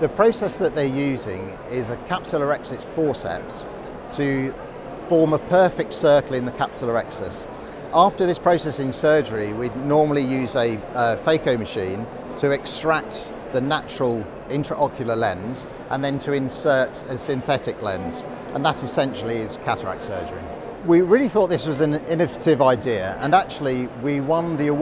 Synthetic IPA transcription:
ðəpʰɹ̥əʊsɛsðəʔðəjʉːzɪ̰̃ŋ | ɪzəkʰapsəlˠəɹɛksɛsfɔːsɛ̰ts | tʰə | fɔːməpʰɜˑfɪk̚tsɜˑkəlɪ̃nðəkʰapsəlˠəɹɛksɛ̰s | ʔɑˑftəðɪspʰɹ̥əʊsɛsɪ̃nsɜːd͡ʒəɹiwidⁿnɔːməlijʉːzə | əfeɪkəʊməʃĩːn | tʰəɛkstɹ̥ak̚t | ðənat͡ʃəɹəlˠ | ɪ̃nʰɹ̥əʔɒkʰjəlˠəlɛ̰̃nz | ʔə̃nðə̃ntʰəɪ̃nsɜˑt | əsɪ̃nθɛtɪklɛ̰̃nz̥ | ʔə̃nðətɪsɛ̃nʃəl̩ˠiɪz̥kʰatəɹa̰k̚tsɜ̰ːd͡ʒəɹḭ | wiɹɪəliθɔˑʔ̪̚ðɪswɒzə̃nɪnɪvətʰɪvaɪdɪəə̰̃nak̚t͡ʃuəl̩ˠiwiwʌ̃nðiə

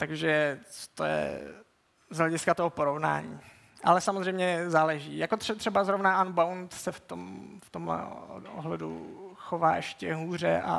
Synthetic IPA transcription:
t̪aɡʒɛt͡so̥t̪ojɛ̰ | zɦlɛɟɪskat̪oɦopoɾovna̰ːɲḭː | ʔalɛsamozrɛjmɲɛzaːlɛʒḭːjakot̪ɛt̪r̥ɛbazɾovnaʔanbawnt̪sɛft̪omft̪omlɛ̰o̰ɦlɛdṵxovaːʔɛʃcɛɦuːr̝ɛ̰ʔa̰

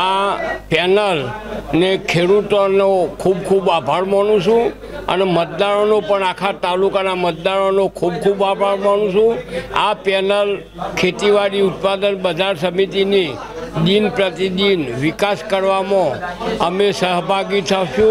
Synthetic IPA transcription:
apɛnəl | nekʰeɽut̪onokʰubkʰubabʱaɾməɳ̃ũʃũ | ə̰nemət̪̚d̪aɾonopəɳakʰat̪alukanamət̪̚d̪aɾonokʰubkʰubabʱaɾməɳ̃ũʃũa̰pɛnəl | kʰet̪iʋaɾiut̪̚pad̪ənbəd͡ʒ̪ʱaɾsəmit̪ini | ɗ̪inpɾət̪id̪inʋɪkaskəɾʋamõəmesəɦbʱaɡit̪ʰaʃũ

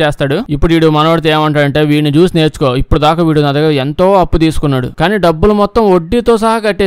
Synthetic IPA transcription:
eːst̪aːɽuipːuɽʋiːɽumɐnɐʋɐɽit̪̬eːmɐɳʈaːɾɐɳʈe̞ːʋiːnid͡ʒuːsne̞ːɾt͡ʃu̥koːipːuɽud̪aːkaːʋiːɽunɐd̪ɐɡaːent̪o̞ːɐpːut̪iːsu̥kunːaːɽṵkaːniːɖɐbːulumɔt̪ːɐmoɖːit̪o̞ːsɐɦɐkɐʈːeː

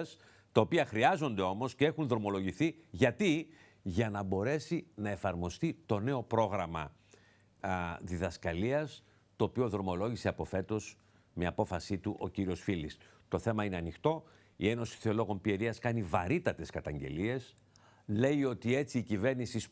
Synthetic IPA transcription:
s | t̪ɐo̞piɐxɾiɐzo̞nd̪e̞o̞mo̞scee̞xunðɾo̞mo̞lo̞ʝiθiʝɐt̪i | ʝɐnɐbo̞ɾe̞sinɐe̞fɐɾmo̞st̪it̪o̞ne̞o̞pɾo̞ɣɾɐmɐ̰ | ðiðɐskɐliɐs | t̪o̞ːpio̞ðɾo̞mo̞lo̞ʝise̞ɐpo̞fe̞t̪o̞s | meɐpo̞fɐsit̪uʔo̞ciɾio̞sfilis | t̪o̞θe̞mɐine̞ɐnixt̪o̞ | ie̞no̞si̥θeo̞lo̞ɣo̞mpie̞ɾiɐskɐnivɐɾit̪ɐt̪e̞skɐt̪ɐɲɟe̞̰lie̞s | le̞io̞t̪ie̞t͡siːcive̞ɾnisis

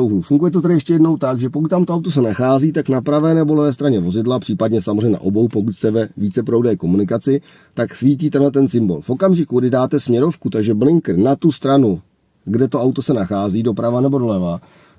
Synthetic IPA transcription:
owɦlufuŋɡujɛt̪o̞t̪ɛdɪjɛʃcɛjɛdno̞wt̪aɡʒɛpo̞kut̪t̪amt̪o̞awt̪os̬ɛnaxaːziːt̪aknapɾavɛːnɛbo̞lɛvɛːs̬t̪ɾaɲɛvo̞zɪdlapr̥iːpadɲɛsamozrɛɲna̰ʔobo̞wpo̞kucst̪ɛvɛviːt͡sɛpɾowdɛːko̞munɪkat͡sɪ | t̪aksviːciːt̪ɛlɛt̪̬ɛnsɪmbo̞̰lfʔo̞kamʒɪkuɡdɪdaːt̪ɛsmɲɛɾo̞fkut̪aɡʒɛblɪŋkr̩nat̪ust̪ɾanu | ɡdɛt̪o̞awt̪osɛnaxaːziːdo̞pɾavanɛbo̞do̞lɛva

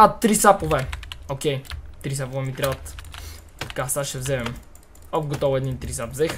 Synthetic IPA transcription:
at̪ːɾisapovɛokʲɛjt̪ɾisapovɛmit̪ɾʲabt̪ | kasaʃɛvzɛmɛm | ɔkɡot̪ɔvɛd̪int̪ɾisapvzɛx

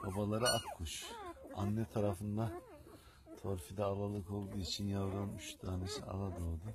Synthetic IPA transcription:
babalˠaɾɯʔakkʰːuʃa̰nːɛt̪ʰaɾafɯnd̪a | t̪ʰo̞ɾfid̪ɛalˠalˠɯko̞lˠd̪uːit͡ʃʰinjavd̪anyʃd̪aːnesia̰lˠad̪oɾd̪u

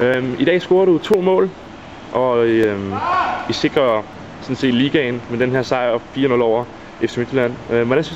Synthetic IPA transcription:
øid̥ɛ̰ːsɡ̥o̝ːɐɾut͡sʰo̝̰ːmɔ̰̽ːl | ʔɒ̽ø | ise̝ɡ̥ʁɐ | sɒ̽n̩se̝̰ːd̥liːɡ̥ænmed̥enɦeɐ̰sɑ̈ɪ̰ɒfiːɐnɔ̽lɒʊ̰ɐ | eft͡sʰemid̥læn̰øʋɒd̥esy

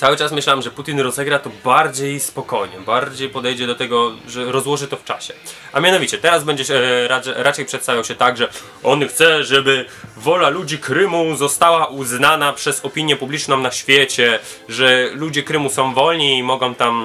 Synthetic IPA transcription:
t̪sawɘt͡ʂasmɘɕlamʐɛput̪ʲinɾɔzɛɡɾat̪ɔbaɾd͡ʑejspɔkɔjɲɛbaɾd͡ʑejpɔd̪ɛjd͡ʑɛd̪ɔt̪ɛɡɔʐɛɾɔzwɔʐɘt̪ɔft͡ʂa̰ɕɛ | amʲjanɔvʲit͡ɕɛt̪ɛɾazbɛɲd͡ʑɛɛɾaɛɾat͡ʃɛjpʂɛt̪savʲjawɕɛt̪aɡʐɛ | ɔnxt̪sɛʐɛbɘ | vɔlalud͡ʑikɾɘmuzɔst̪awaʔuznanapʂɛzɔpʲiɲjɛpublʲit͡ʂnɔ̃w̃naɕfʲjɛt͡ɕɛ | ʐɛlud͡ʑɛkɾɘmusɔ̃w̃vɔlɲiːmɔɡɔ̃w̃t̪am

